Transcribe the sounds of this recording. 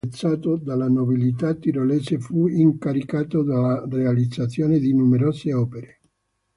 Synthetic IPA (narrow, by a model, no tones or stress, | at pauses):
t̪saːt̪od̪alanobilit̪at̪ːiɾoleːsefuiŋkaɾikaːt̪od̪alarealid̪zat̪sːjoːned̪inumeɾoseɔpeɾe